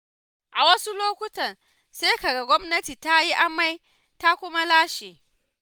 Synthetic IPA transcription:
ʔa˨wɐ˦su˦loː˦kʷʊ˦tɐ˨n | se˦ka˨ɡa˨ɡʷɔ˦mnɐ˦tiː˨ta˦ji˦ʔa˦ma˦j | ta˦kʷʊ˦ma˦laː˦ʃeː˨

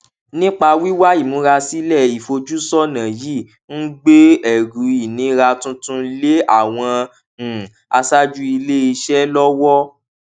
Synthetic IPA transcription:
nĩ˦k͡pa˧wi˦wa˦i˦˨mũ˨˧˦ɾa˧si˦lɛ˦˨i˨fo˧d͡ʒu˦sɔ˦nã˨ji˦˨ | n̩˦ɡ͡be˦ɛ˨ɡu˨˦i˨nĩ˨˦ɾa˧tũ˦tũ˧le˦a˦˨w̃ɔ̃˧˨ | a˧sa˦d͡ʒu˦i˧le˦i˧ʃɛ˦lɔ˦wɔ˦

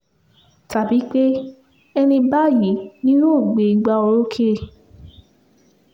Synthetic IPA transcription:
ta˨bi˨˦k͡pe˦ | ɛ˧nĩ˧ba˦˨ji˨˦nĩ˦nũ˦˨ɡ͡be˨i˧ɡ͡ba˧o˧ɾo˦kʰe˦e˨

